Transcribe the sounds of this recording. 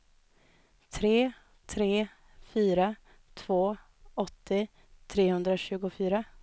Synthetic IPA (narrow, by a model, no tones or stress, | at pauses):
t̪ʰɾeː | t̪ʰɾeː | fyːɾa | t̪ʰvoː | ɔt̪ːɪ | t̪ʰɾeːhɵnd̪ɾaɕʉ̟ːɡʊfyːɾa